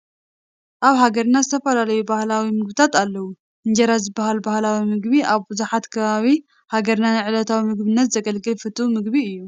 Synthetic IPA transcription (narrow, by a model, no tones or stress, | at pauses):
ʔaβhaɡɐɾnazɨt̪ʰɐfɐlalɐjubahlawimɨɡbɨt̪ʰat̪alːɐwu | ɨnd͡ʒɐɾazɨbːahalbahlawimɨɡbiʔaβbɨzuħat̪kʰɐβaβi | haɡɐɾnanɨʕɨlɐt̪ʰawimɨɡbɨnːɐt̪z̥ɐɡɐlɡɨlfɨt̪ʰʼumɨɡbiɨjːu